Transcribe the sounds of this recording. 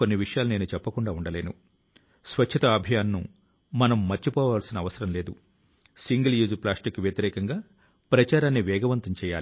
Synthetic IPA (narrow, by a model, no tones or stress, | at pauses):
o̞nːiʋiʂɐjaːlune̞ːnut͡ʃɛpːɐkuɳɖaːuɳɖɐle̞ːnṵ | sʋɐt͡ʃt͡ʃʰɐt̪ɐːbʱijaːnːṵ | mɐnɐmːɐɾt͡ʃːipɔːʋaːlsinɐːʋɐsɐɾɐmle̞ːd̪u | siŋɡɐljuːd͡ʒplaːsʈikːuʋjɐt̪iɾɛːkɐŋɡaː | pɾɐt͡ʃaːɾaːnːiʋɛːɡɐʋɐnt̪ɐmt͡ʃɛːja̰ːli